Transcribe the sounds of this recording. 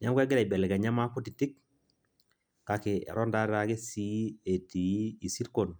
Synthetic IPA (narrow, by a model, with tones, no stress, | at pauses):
ɲa˦ŋɡʷwa˦ɡɪ˦ɾa˨bɛ˨lɛ˨ka˨ɲa˦ma˦ku˦ti˨ti˦k | ka˨kḛ˨ɾɔ˦nda˦ɾɾa˦ke˦si˦e˨ti˨˦i˨si˦ɾko˨n